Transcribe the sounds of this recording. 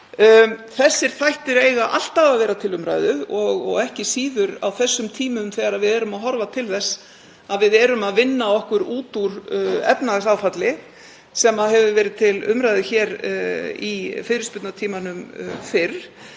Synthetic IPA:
θɛsːɪɾ̥θajht̪ɪɾeːjɣaʔa̰l̥t̪aðavɛːɾat̪ʰɪlʏmɾa̰jðʏɔɣɔ̰ɣɛhcɪsiːðʏɾa̰wθɛsːʏmt̪ʰiːmʏmθɛːɣaɾaðvɪðɛːɾʏmaɦɔɾvat̪ʰɪlθɛsː | aðvɪðɛːɾʏmaðvɪnːaɔhkʏɾuːt̪uɾɛ̰pnasaːwfat̪lɪ | sɛmaðɦɛvʏvɛːɾɪðt̪ʰɪlʏ̰mɾajðʏçɛːɾ | ifɪðɾɪspʏt̪nat̪ʰiːmanʏmfɪɾ

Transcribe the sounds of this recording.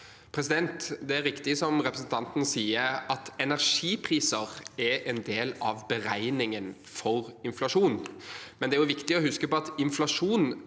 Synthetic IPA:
pʰɾɛsɪd̪ɛnt̪d̪ɛæɾɪkt̪ɪsɔmɾɛpɾəsnt̪ɑnt̪nsiːəɾɑt̪ɛnæʁʂiːpʰɾiːsəʁɛʔɛnd̪eːlɑʋbəɾæɪnɪŋən | fɔʁɪnflɑʂuːnmɛnd̪ɛæɾjʊʋɪkt̪ɪɔhʉskəpɔɑt̪ɪnflɑʂuːn

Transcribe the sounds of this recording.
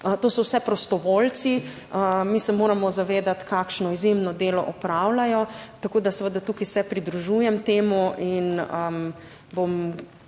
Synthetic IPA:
ət̪oːsɔwsɛpɾɔst̪ɔʋoːlt̪si | əmisɛmoːɾamɔzaʋeːd̪at̪kakʃnɔizjemnɔd̪eːlɔ̰ʔɔpɾawlajɔt̪akoːd̪asəʋəd̪at̪uːkijsɛpɾid̪ɾuʒujɛmt̪eːmuʔinə | bom

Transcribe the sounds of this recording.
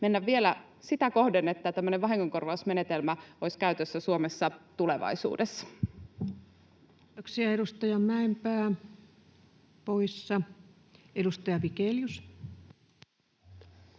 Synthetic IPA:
menːæʋʋielæ | sit̪ækohdenet̪ːæt̪æmːøneʋʋɑɦiŋkoŋkorʋɑusme̞net̪elmæoiskæyt̪øsːæsuomesːɑt̪uleʋɑ̰isṵːdesːɑ̥ | it̪oksiɑeɾust̪ɑjɑmæempæː | poisːɑ | edust̪ɑjɑʋikeljus

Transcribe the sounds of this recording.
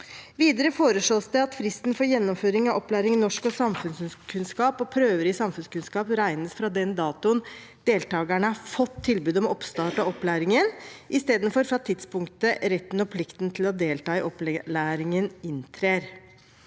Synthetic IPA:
ʋiːd̪əɾəfoːɾəʂɭoːsd̪ɛɑt̪fɾɪst̪n̩fɔɾjɛnːɔmføːɾɪŋɑɔplæːɾɪŋnɔʂkɔsɑmfʉnsnskʰʉnskɑːpɔpʰɾøːʋəɾɪsɑmfʉnskʉnskɑːpɾæɪnəsfɾɑd̪ɛnd̪ɑːt̪ʊnd̪̥eːlt̪ɑːɡəɳəɑfɔt̪ʰːɪlbʉːd̪ɔmɔpst̪ɑːʈɑɔplæːɾɪŋənʔɪst̪eːd̪ənfɔɾfɾɑt̪ʰɪt̪spʊŋkt̪əɾɛt̪ːn̩ɔpʰlɪkt̪n̩t̪ʰɪlɔd̪eːlt̪ɑːɪʔɔpllæːɾɪŋənɪnt̪ʰɾeːɾ

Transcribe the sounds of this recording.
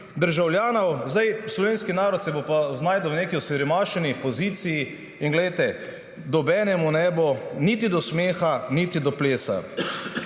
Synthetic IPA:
d̪əɾʒawljaːnɔwzd̪ajslɔʋeːnskinaːɾɔt̪sɛbopaznaːjd̪əwneːkiɔsɛɾimaːʃɛnipɔziːt̪siji | inɡlɛjt̪ɛ | d̪ɔbɛːnɛmunɛbonit̪id̪ɔsmeːxanit̪id̪ɔpleːsa̰

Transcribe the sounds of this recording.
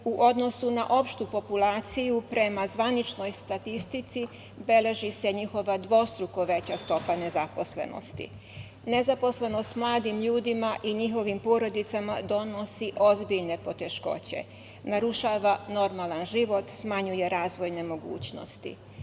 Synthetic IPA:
uʔo̞d̪no̞sunaʔo̞pʃt̪upo̞pulaːt̪sijupɾe̞mazʋanit͡ʃno̞jst̪at̪ist̪it̪si | be̞le̞ʒise̞ɲixo̞ʋad̪ʋo̞st̪ɾuko̞ʋe̞t͡ɕast̪o̞pane̞zapo̞sle̞̰no̰st̪ḭ | ne̞zapo̞sle̞no̞st̪mlaːd̪imʎuːd̪imaʔiɲixo̞ʋimpo̞ːɾo̞d̪it̪samad̪o̞no̞siʔo̞zbiʎne̞po̞t̪e̞ʃko̞̰t͡ɕe̞̰ | naɾuʃaːʋano̞ɾmalanʒiʋo̞t̪smaɲuje̞ɾaːzʋo̞jne̞mo̞ɡṵːt͡ɕno̞̰st̪ḭ

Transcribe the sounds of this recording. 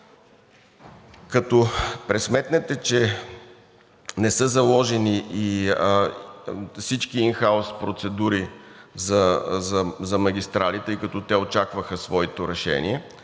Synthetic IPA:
kɐt̪ɔpɾɛsmɛt̪nɛt̪ɛt͡ʃɛ | nɛsɤzɐlˠɔʒɛniʔi | fsit͡ʃk̟iːnxaospɾot̪sɛd̪uɾizɐzɐzɐmɐɡʲist̪ɾalit̪əjkɐt̪ɔt̪ɛot͡ʃakvəxəsvɔɛt̪oɾɛʃɛ̰niɛ

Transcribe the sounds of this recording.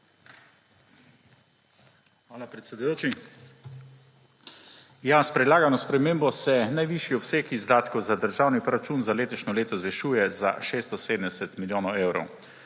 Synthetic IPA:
xʋaːlapɾɛt̪sʲɛd̪ujoːt͡ʃi | jaspɾɛd̪laːɡanɔspɾɛmeːmbɔsɛnajʋiʃjiɔpseːkizd̪aːt̪kɔwzad̪əɾʒaːwnipɾɔɾat͡ʃuːnzaleːt̪ɔʃnɔleːt̪ɔzʋɛʃuːjɛza̰ʃeːst̪ɔseːd̪ənd̪ɛsɛt̪miljoːnɔweːwɾɔ̰w

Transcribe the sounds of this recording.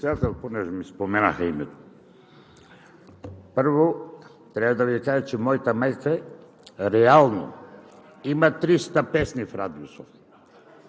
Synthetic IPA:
ɛsɛd̪at̪ɛlʲˠponɛʒɛmispomɛna̰xaimɛt̪o̥ | pəɾvo | t̪ɾɛbad̪avikaʒɛt͡ʃɛmɔjt̪amɛjk̪a | ɾɛalˠno̰ | imat̪ɾist̪apɛsnifɾad̪iusof

